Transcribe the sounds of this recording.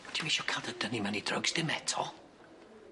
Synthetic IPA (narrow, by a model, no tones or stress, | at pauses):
d̥ʰimiʃɔkʰalˠdədənimanidrə̰ɡsd̥ɪmɛtʰɔ